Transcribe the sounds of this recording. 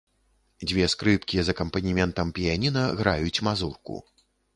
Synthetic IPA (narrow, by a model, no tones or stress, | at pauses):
d͡zʲvʲɛskɾɨpkʲizɐkɐmpɐnʲimʲɛnt̪ɐmpʲijanʲinɐɣɾajut͡sʲmazurkṵ